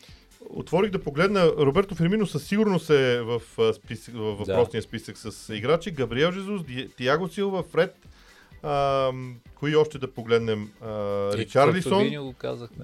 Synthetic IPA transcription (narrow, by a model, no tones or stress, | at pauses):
o̰t̪vɔɾiɣd̪ɐpoɡlɛd̪nəɾobɛɾt̪ʊfɛɾminosəsːiɡʊɾnosɛvəfspisvəvvɐpɾɔsnijəspisəksəsiɡɾat͡ʃiɡɐbɾiɛlˠʒɛzuzd̪d̪iaɡosilˠvɐfɾɛt̪ | ə | koiɔʃt̪ɛd̪ɐpoɡlɛd̪nɛməɾit͡ʃaɾdlisɔnɡka̰zə